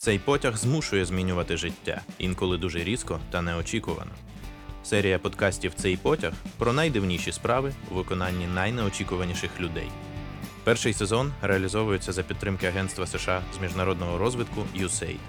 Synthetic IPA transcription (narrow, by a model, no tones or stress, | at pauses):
t̪sɛjpɔtʲɐɣzmuʃʊjɛzmʲinʲʊʋɐt̪ɪʒɪtʲːa̰ḭnkɔlˠɪd̪uʒɛɾʲiskɔt̪ɐnɛɔt͡ʃʲikʊʋɐ̰nɔ̰ | sɛɾʲijɐpɔd̪kɑsʲtʲiwt̪sɛjpɔtʲɐxpɾɔnɐjd̪ɪwnʲiʃʲispɾɑʋɪuʋɪkɔnɑnʲːinɐjnɛɔt͡ʃʲikʊʋɐnʲiʃɪxlʲʊd̪ɛ̰j | pɛrʃɪjsezɔnɾeɐlʲizɔʋʊjʊt͡sʲːɐzɐpʲid̪̚t̪ːɾɪmkɪɐɦɛnt̪st̪ʋɐseʃɑzmʲiʒnɐɾɔd̪nɔɦɔɾɔzʋɪt̪kʊjʊsɛ̰j